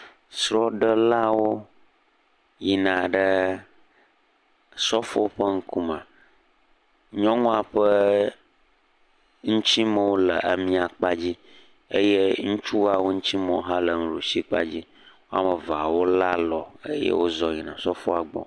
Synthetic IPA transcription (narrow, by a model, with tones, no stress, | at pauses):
sɾɔ˦ɖə˦la˦wo˦ | ji˨nã˨ɖə˦ | sɔ˦fo˦ɸə˦ŋ̩˦ku˦mã˨ | ɲɔ̃˦ŋũ˦a˨ɸə˦ | ŋũ˦t͡ɕi˦mə˨wo˦lə˨ʔa˨mĩ˦a˨k͡pa˦d͡ʑi˦ | e˦je˦ŋũ˦t͡ʃu˦wa˦wo˦ŋũ˦t͡ɕi˦mɔ̃˦˨˦ɦã˦lə˨ŋ̩˨lu˨si˦k͡pa̰˦d͡ʑi˦ | wo˦a˦mə˨va˨wo˦la˦lɔ˨e˦jɛ̰˦wo˦zɔ˨ɲi˨nã˨sɔ˦fo˦a˨ɡ͡bɔ̰˨